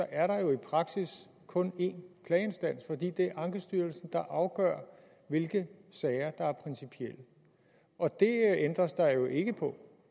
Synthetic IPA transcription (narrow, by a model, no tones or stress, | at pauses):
sɒ̽ʔæɐɾɑ̈jo̝ipʰʁɑ̈ɡ̥sis | kʰɔ̽ne̝̰ːnkʰlɛːe̝nsd̥æn̰sfɒ̽d̥ḭːd̥e̝æɐʔɑ̈ŋɡ̥əsd̥yːɐlsn̩d̥ɑ̈ʔɑ̈ʊɡ̥ɶɐ̰ | ʋe̝lɡ̥əsɛɪɐd̥ɑ̈æɐpʰʁɛnsipʰiel̰ə | ʔɒ̽d̥e̝end̥ʁɐsd̥ɑ̈ɪjo̝ʔe̝ɡ̥əpʰɒ̽